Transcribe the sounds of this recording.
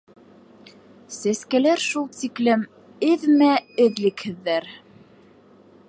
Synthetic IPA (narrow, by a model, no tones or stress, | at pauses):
sæskælæɾʃulˠt̪iklɘm | ɘðmæɘ̆ðlɘ̆khɘ̆ðːæɾ